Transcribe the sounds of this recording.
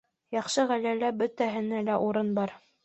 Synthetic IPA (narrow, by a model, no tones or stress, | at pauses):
jɑχʃɤʁælælːæbɵt̪æɦɘ̆nælæʔuɾɤnbɑɾ